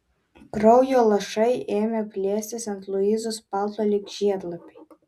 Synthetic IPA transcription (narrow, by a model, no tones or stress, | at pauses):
kɾɔʊjoːlˠɐʃɐɪeːmʲɛpʲlʲeːsʲt̪ʲɪsɐnt̪lˠʊiːzʊspɑlˠt̪oːlʲɪkʒʲiɛd̪lˠɐpʲɪj